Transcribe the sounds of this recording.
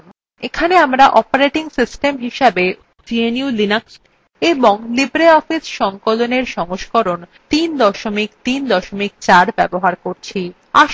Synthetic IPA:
ekʰaneamɾaʔɔpaɾeʈiŋsisʈemɦiʃabe | d͡ʑieniulinaksʈ | eboŋlibɾeɔfisʃɔŋkoloneɾʃɔŋoʃkoɾont̪ind̪ɔʃomikt̪ind̪ɔʃomik̚t͡ɕaɾbɛboɦaɾkoɾt͡ɕʰi | a̰ʃ

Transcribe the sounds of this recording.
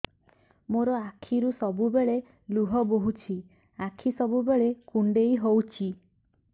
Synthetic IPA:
moɾɔakʰiɾusɔbubeɭe | luɦɔboɦut͡ʃʰi | akʰisɔbubeɭekuɳɖejɦowt͡ʃʰi

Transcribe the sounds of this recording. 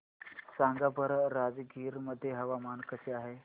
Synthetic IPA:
saŋɡabəɾɾad͡zɡʱiːɾməd̪ʱːjeɦəʋamankəseaɦe

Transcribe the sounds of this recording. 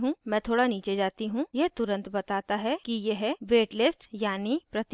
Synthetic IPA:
ɦũmɛ̃t̪ʰoːɽaniːt͡ʃed͡ʒaːt̪iɦũjeɦt̪ʊɾə̃nt̪bɐt̪aːt̪aɦɛkijeɦɛʋeːʈlɪsʈjaːnipɾɐt̪

